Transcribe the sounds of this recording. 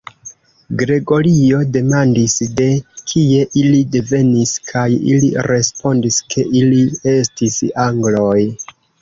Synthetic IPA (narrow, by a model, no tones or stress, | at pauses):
ɡɾe̞ɡo̞ɾio̞de̞mandisde̞kʰie̞ʔilide̞ve̞niskʰajḭlḭɾe̞spo̞ndiskʰe̞ʔilie̞stisaŋɡlo̞j